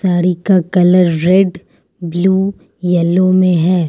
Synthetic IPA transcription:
saːɾikakɐləɾːeːɖ | bluː | jɛlõmẽɦɛː

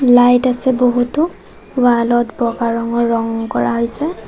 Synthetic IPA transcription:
lajtasɛboɦutʊ | walɔtbɔkaɹɔŋɔɹɔŋkɔɹaɦojsɛ

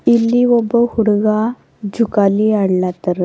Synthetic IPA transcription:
ilːiʋəbəhuɽɡa | d͡ʑukaliaɽlat̪əɾ

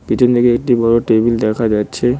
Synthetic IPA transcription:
piʈend̪ʱikeek̚ʈibɔɽoʈebild̪ɛkʰad͡ʑatːɕʰe

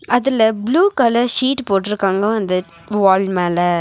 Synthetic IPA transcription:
ɐðɪlɐbluːkɐlɐɾʂiːʈpoːʈːɪɾɯkːaːŋɡɐɐnd̪ɐ | ʋaːlmeːlɐ

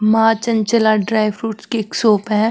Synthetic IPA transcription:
maːt͡ʃənt͡ʃəlaɖɾaːɪʋɾuːʈskeksoːpɦɛ̃

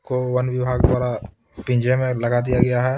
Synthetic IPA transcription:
kowɐnʋɪbʱaːɡd̪waːɾa | pĩɲd͡ʒemẽlɐɡad̪ijaɡɐjaɦɛː

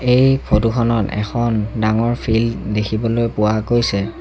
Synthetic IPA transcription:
ejpʰotukʰɔnɔtɛ̰kʰɔndaŋɔɹpʰildekʰibɔlojpʊwakojsɛ

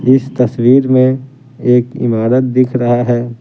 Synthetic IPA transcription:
ɪst̪ɐswiːɾmẽ | eːkɪ̰maːɾət̪̚d̪ɪkʰɾɐɦaɦɛː

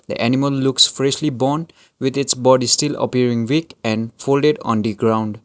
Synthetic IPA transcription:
d̪ə̰ʔænɪməlːʊksfɾɛʃlibɔːn | wɪd̪ɪtsbɔɖisʈɪlə̰piəɾɪ̃ŋwikɛ̃nfoːlɖeɖɔ̰̃nd̪iɡɾãʊ̃ɳɖ

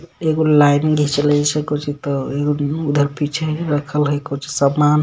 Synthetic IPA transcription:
eɡolajniɡʱit͡ʃʰələsəkɔt͡ʃʰit̪ɔeɡoud̪ʱəɾpit͡ʃʰeɾəkʰəlɦəkowt͡ʃʰi̥səman

